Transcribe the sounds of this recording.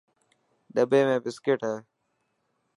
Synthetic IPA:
ɗəbeːmẽːbɪskeːʈɦae

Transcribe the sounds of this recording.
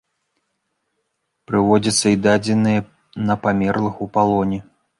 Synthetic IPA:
pɾɨvɔd͡zʲɐt̪sːɐid̪ad͡zʲɛnɨjɐ | nɐpamʲɛrlˠɨxupalˠɔnʲi

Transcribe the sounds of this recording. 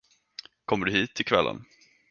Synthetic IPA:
kʰɔmːəɖɵɦiːt̪ʰːɪlkʰvɛlːə̰n

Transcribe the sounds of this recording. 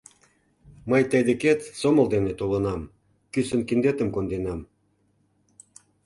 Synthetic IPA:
məjt̪əjd̪eket̪somə̆ld̪enet̪olə̆nɑm | kysə̆nkind̪et̪ə̆mkond̪enɑm

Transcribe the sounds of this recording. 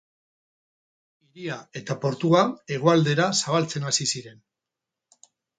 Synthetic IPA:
iɾiae̞t̪apo̞ɾt̪uae̞ɣ̞oald̪e̞ɾasaβ̞alt͡se̞nasisiɾe̞n

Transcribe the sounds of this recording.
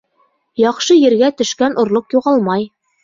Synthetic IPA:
jɒχʃɤjɘ̆ɾɡæt̪ɵ̆ʃkænʔŏɾlˠoqjuʁɑlˠmɑj

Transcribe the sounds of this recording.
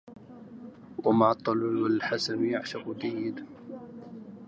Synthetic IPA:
wamaʕɑt̪ˤːɑllwalħasanjaʕʃaqʊd̪ajːɪd̪

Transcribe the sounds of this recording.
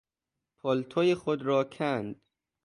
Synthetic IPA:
pʰɒlt̪ʰojexod̪ɾɒːkʰænd̪̥

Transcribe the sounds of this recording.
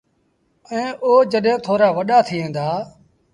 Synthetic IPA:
əẽːʔoːd͡ʒəɗɦẽːt̪ʰoːɾaːʋəɗaːt̪ʰiːẽːnd̪aː

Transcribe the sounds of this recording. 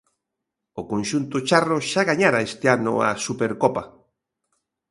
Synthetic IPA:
okonʃunt̪ot͡ʃaroʃaɣaɲaɾaest̪eanʊ̰a̰supeɾkopa

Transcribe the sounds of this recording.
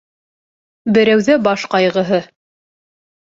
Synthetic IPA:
bɘ̆ɾæwðæbɑʃqɑjʁɤ̆ɦɤ

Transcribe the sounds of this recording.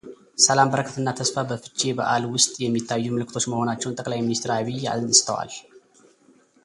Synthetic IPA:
səlambəɾəkʰət̪ʰɨnːat̪ʰəsfabəfɨt͡ʃʼːebə̰ʔalwʊst̪ʼjɛmːit̪ʰːajːumɨlɨkʰːɨt̪ʰo̞t͡ʃːməho̞nat͡ʃːɛwnt̪ʼəkʼlajminist̪ɾaβija̰zənsʼt̪ʰə̰wa̰l

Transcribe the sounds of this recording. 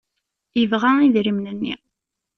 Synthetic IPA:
əvʁaiðɾimnənːḭ

